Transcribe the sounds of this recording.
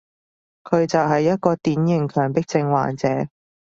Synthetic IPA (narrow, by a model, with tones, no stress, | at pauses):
kʰɵ˨˧ɥt͡sɐ˨wɦɐ˨jːɐ˥t̚kɔː˧t̪iː˨˥njɪ˨˩ŋkʰœː˨˩ŋpɪ˥k̚t͡sɪ˧ŋwa̰ː˨˩nt͡sɛː˨˥